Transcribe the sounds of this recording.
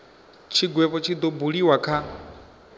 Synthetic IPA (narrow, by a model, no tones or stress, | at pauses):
t͡ʃʰiɡwɛβɔt͡ʃʰid̪ɔbuɺiwakʰa